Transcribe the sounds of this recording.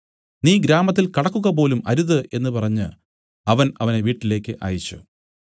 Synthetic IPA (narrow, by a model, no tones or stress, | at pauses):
niːɡɾaːmɐt̪ːilkɐɽɐkːuɣɐp̬o̞ːlumɐɾuðɨʔe̞nːɨpɐrɐɲːɨ | ɐʋɐnɐ̰ʋɐneʋiːʈːile̞ːkʲːɨʔa̰ːjit͡ɕːṵ